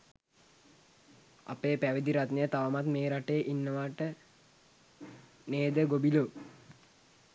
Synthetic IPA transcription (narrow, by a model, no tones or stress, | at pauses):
a̰peːpæʋid̪iɾat̪nəjət̪aʋəmat̪meːɾaʈeːʔinːəʋaːʈə | neːd̪əɡobiloː